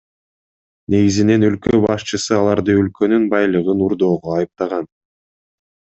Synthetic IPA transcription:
ne̞ɡizine̞nø̞lkøbɑʃt͡ʃɯsɯɑlˠɑɾd̪ɯø̞lkø̞nynbɑjlˠɯʁɯnuɾd̪o̞ːʁoɑjɯp̚t̪ɑʁɑn

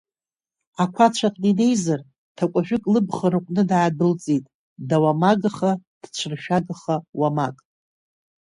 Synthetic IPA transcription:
akʷʰat͡ʃʷʰaqʼnine̞jzar | tʰakʷʼaʒᶣɪkʼlɨbχaɾɨqʷʼnɨdaʕadɨlt͡sʼitʼ | dawamaɡaχad̥t͡ʃʷʰɨrʃᶣaɡaχawamakʼ

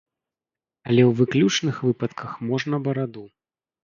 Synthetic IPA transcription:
ɐlʲɛwvɨklʲut͡ʂnɨxvɨpɐt̪kʰɐxmɔʐnɐbɐɾad̪u

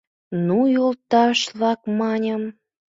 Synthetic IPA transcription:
nujolt̪ɑʃlɑkmɑnʲəm

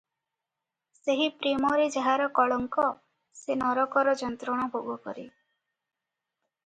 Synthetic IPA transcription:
seɦipɾimɔɾed͡ʒaɦaɾɔkɔɭɔŋkɔ | senɔɾɔkɔɾɔd͡ʒɔnt̪ɾɔɽ̃ɔbʱoɡɔkɔ̰ɾḭ

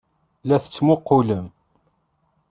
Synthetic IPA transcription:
læθət͡sːmʊqːuləm

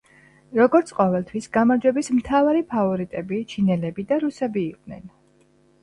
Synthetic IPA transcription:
ɾɔɡɔɾt̪sʰqʼɔvɛlˠt̪ʰwisɡamaɾd͡ʒwɛbismt̪ʰavaɾipʰavɔɾit̪ʼɛbit͡ʃʰinɛlɛbid̪aɾusɛbiːqʼnɛ̰n

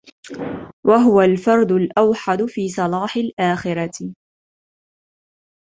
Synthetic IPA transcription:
wʔaɦʊwalfɑɾˤd̪ʊlʔawħad̪ʊfiːsˤɑlɑːħɪlʔaːxɪɾˤɑ

